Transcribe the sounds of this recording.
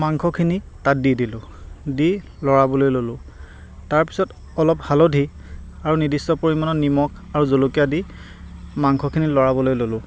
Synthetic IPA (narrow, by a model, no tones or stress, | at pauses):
maŋkʰɔkʰini | tat̚didilʊ̃ | di | lɔɹabɔlojlolʊ̃ | taɹpi̥sɔt | ɔlɔphalɔdʱi | aɹunidistɔpoɹimɔnɔnimɔk | aɹuzolokijadi | maŋkʰɔkʰinilɔɹabɔlojlolʊ̃